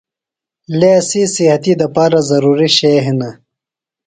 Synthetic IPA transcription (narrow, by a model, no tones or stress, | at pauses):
lesisihɐt̪id̪ɐpaːɾazɐɾuːɾiɕeɦinɐ